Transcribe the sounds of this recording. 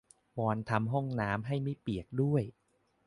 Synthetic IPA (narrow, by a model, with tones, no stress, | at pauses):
wɔː˧nt̪ʰa˧mɦɔ˥˩ŋnaː˦˥mɦa˥˩jmi˥˩pi˨˩ək̚du˥˩əj